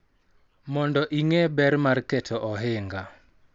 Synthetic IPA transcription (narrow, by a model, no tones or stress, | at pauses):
mɔndɔʔiŋɛbɛrmarkɛtʰɔʔɔɦɪŋɡa